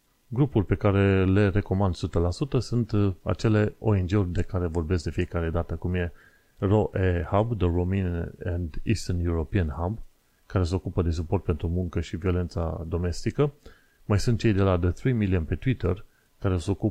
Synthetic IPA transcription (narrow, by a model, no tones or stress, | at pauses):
ɡɾupurʲpe̞kaɾe̞le̞re̞ko̞mand̪sut̪əlasut̪əsunt̪a̰t͡ʃe̞le̞o̞end͡ʒe̞urʲd̪e̞kaɾe̞vo̞rbesk̚d̪e̞fije̞kaɾe̞d̪at̪əkumje̞ | roʔehabd̪ərominand̪ḭst̪ənjuɾo̞piənhab | kaɾe̞s̬e̞o̞kupəd̪e̞s̬upo̞rt̪̚pe̞nt̪ɾumuŋkəʃivio̞le̞nt̪sa̰d̪o̞me̞st̪ikə | majsunt̪̚t͡ʃejd̪e̞lad̪əθɾimiliəmpe̞t̪wit̪ər | kaɾe̞seo̞ku